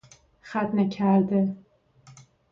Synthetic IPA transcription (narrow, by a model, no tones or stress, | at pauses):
χat̪nakʲʰaɾd̪ɪ